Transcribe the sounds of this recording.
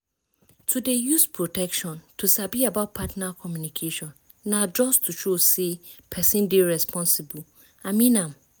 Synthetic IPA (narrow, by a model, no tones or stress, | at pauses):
tʰudejuspʰɹotʰɛkʃɔ̃ntʰusabiabat̚pʰatnakʰɔmjũnikʰeʃɔ̃nː | ãd͡ʒɔstʰuʃosepʰɛsĩndeɹɛspʰɔ̃nsibu | ãmĩnãm